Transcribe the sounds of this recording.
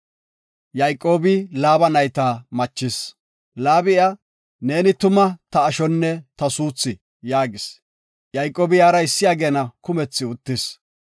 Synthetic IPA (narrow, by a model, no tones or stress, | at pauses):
jɐjkʼːo̞ːbɪlaːbɐnɐjt̪aːmɐt͡ʃːɪs | laːbɪʔɐ | ne̞ːnɪt̪ʊmɐt̪ɐːʃɔnːɛt̪ɐsuːt͡sːɪ | jaːɡɪs | jɐjkʼo̞ːbɪjaːɾɐɪsːɪjaːɡe̞ːnɐkʊmɛt͡sːɪʊt̪ːɪs